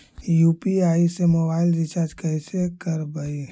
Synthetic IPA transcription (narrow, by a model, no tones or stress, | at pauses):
jupiaːisemobaɪld͡ʒit͡ʃad͡ʒkəɪsekəɾbəi